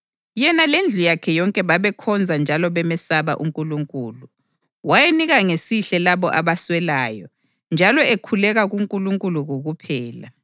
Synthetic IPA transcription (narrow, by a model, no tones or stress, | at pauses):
jɛnalend͡ɮʱujakʰɛjɔŋkʼɛβaβɛkʰɔnd͡zʱand͡ʒʱalɔβɛmɛsaβaʔuŋkʼuluŋkʼuːlu | wajeniɣaŋesiɬɛlaβɔʔaβaswɛlaːjɔ̰ | nd͡ʒʱalɔekʰulɛɣaɣuŋkʼuluŋkʼuluɣoɣupʰɛːla̰